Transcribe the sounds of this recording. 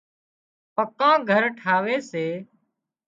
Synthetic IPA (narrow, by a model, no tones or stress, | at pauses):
pəkãːɡʱəɾʈʰaːʋeːseː